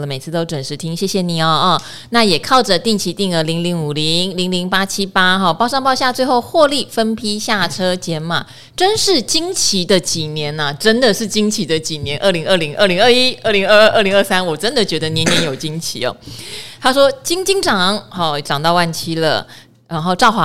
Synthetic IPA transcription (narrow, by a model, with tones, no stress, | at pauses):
lə˦me˨˩ɪt͡sʰɹ̩˥˩t̪o˥ʊʈ͡ʂwə˨˩nʂɻ̩˧˥t̪ʰi˥ŋɕjɛ˥˩ɕjɛ˨˩ni˨˩ɔ˨˩˥ | na˥˩jɛ˨˩kʰɑ˥˩ʊʈ͡ʂə˨t̪i˥˩ŋt͡ɕʰi˧˥t̪i˥˩ŋə˧˥li˧˥ŋli˧˥ŋu˨˩li˧˥ŋli˧˥ŋli˧˥ŋpa˥t͡ɕʰi˥pa˥xɔ˥˩pɑ˥˧ʊʂɑ˥˧ŋpɑ˥˧ʊɕja˥˧t͡swe˥˧ɪxo˥˧ʊxwɔ˥˧li˥˩fə˥npʰi˥ɕja˥˩ʈ͡ʂʰɤ˥t͡ɕjɛ˧˥nma̰˨˩ | ʈ͡ʂə˥nʂɻ̩˥˩t͡ɕi˥ŋt͡ɕʰi˧˥d̪ə˨t͡ɕi˨˩njɛ˧˥nɐ˨ʈ͡ʂə˥nd̪ə˨ʂɻ̩˥˩t͡ɕi˥ŋt͡ɕʰi˧˥d̪ə˨t͡ɕi˨˩njɛ˧˦nʔə˥˩li˧˥ŋə˥˩li˧˥ŋʔə˥˩li˧˥ŋə˥˧i˥ə˥˩li˧˥ŋə˥˧˥ʔə˥˩li˧˥ŋə˥˧sa˥nwɔ˨˩ʈ͡ʂə˦nd̪ə˨t͡ɕɥɛ˧˥d̪ə˧njɛ˧˦˥njɛ˧˦njo˨˩ʊt͡ɕi˥ŋt͡ɕʰi˧˥ɔ̰˨˩t̪ʰa˥ʂwɔ˥t͡ɕi˥ŋt͡ɕi˥ŋʈ͡ʂɑ˨˩˦ŋxɔ˥˩ʈ͡ʂɑ˨˩ŋt̪ɑ˥˧ʊwa˥˩nt͡ɕʰi˥lə̰˨ | ɻa˧˥nxo˥˧ʊʈ͡ʂɑ˥˩ʊxwa˧˥